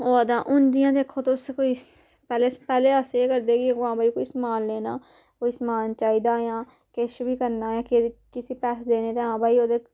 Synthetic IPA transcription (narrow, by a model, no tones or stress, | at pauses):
oːəd̪ãːʔʊnd̪ɪjãːd̪eːkʰːoːt̪oʊskoːiːpɛːleːpɛːleːəseeːkəɾd̪eːɡɪɡoãːbaːiːkoːiːsmaːlːeːnaː | koːiːsmaːnt͡ʃaːiːd̪aːjãː | keʃbiːkəɾnaːjãːkekɪsiːpɛːsd̪eːneːt̪eːãːbʱaːiːoːd̪eː